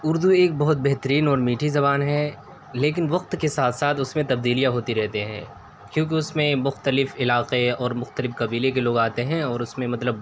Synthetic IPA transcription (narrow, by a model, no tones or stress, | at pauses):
ʊɾd̪ueːk̚bɔɦʊt̪̚bɛɦt̪əɾiːnɔːɾmiːʈʰizɐβaːnɦɛ | leːk̬ɪnʋɐq̚t̪kesaːt̪ʰsaːt̪ʰʊsmẽt̪ɐb̚d̪iːlijaɦoːt̪iɾɛɦt̪eɦɛ̰̃ː | kjõːk̬iʊsmẽmʊxt̪əlɪfɪlaːqeɔːɾmʊxt̪əlɪfkɐbiːlek̬eloːɡaːt̪eɦɛ̃ɔːɾʊsmẽmɐt̪ləb